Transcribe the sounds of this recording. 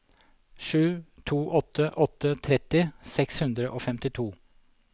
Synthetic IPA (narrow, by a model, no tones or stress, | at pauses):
ʂʉːt̪ʰuːʔɔt̪ːəʔɔt̪ːət̪ʰɾɛt̪ːɪsɛkshʉnd̪ɾəʔoːfɛmt̪ɪt̪ʰuː